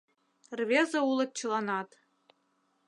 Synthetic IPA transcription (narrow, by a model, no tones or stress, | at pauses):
rβʲezɤ̆ulˠɤ̆t̪̚t͡ɕɤ̆lˠɑnɑt̪